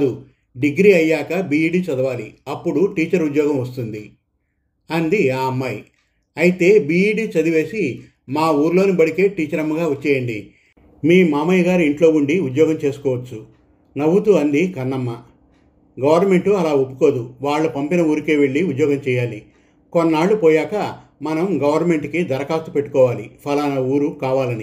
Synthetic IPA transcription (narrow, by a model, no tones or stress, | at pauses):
d̪u | ɖiɡɾiɐjːaːkɐbiːiːɖiːt͡ʃɐd̪ɐʋaːliɐpːuɽuʈiːt͡ʃɐɾud̪jɔːɡɐmʋɐst̪und̪i | ɐnd̪iaːɐmːɐj | ɐjit̪e̞ːbiːiːɖiːt͡ʃɐd̪iʋe̞ːsi | maːuːɾlo̞ːnibɐɽike̞ːʈiːt͡ʃɐɾɐmːɐɡaːʋɐt͡ʃːɛːjɐɳɖḭ | miːmaːmɐjɐɡaːɾiiɳʈloːuɳɖiud̪jɔːɡɐmt͡ʃe̞ːsu̥kɔːʋɐt͡ʃːu | nɐʋut̪uɐnd̪ikɐnːɐmːɐ | ɡɐʋɐɾnɐme̞ɳʈuɐlaːopːu̥ko̞ːd̪uʋaːɭːɐpɐmpinɐuːɾikeːʋe̞ɭːiud̪jɔːɡɐmt͡ʃɛːjaːli | konːaːɭːupɔːjaːkɐmɐnɐmɡɐʋɐɾnɐme̞ɳʈkid̪ɐɾɐkaːt̪upe̞ʈːu̥kɔːʋaːlḭpʰɐlaːnɐuːɾukaːʋaːlɐni